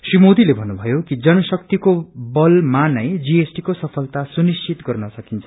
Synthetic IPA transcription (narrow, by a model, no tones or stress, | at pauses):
srimod̪ilebʱʌnːubʱʌjokid͡zʌnʌsʌkt̪ikobʌlmanʌjd͡ziesʈikosʌpʰʌlt̪asunist͡sʰit̪ɡʌrnʌsʌkint͡sʰʌ̥